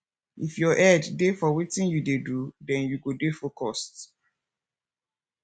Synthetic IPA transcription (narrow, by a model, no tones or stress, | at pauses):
ifjɔʔɛddefɔwitĩnjudedudɛ̃njuɡodefɔkʰɔst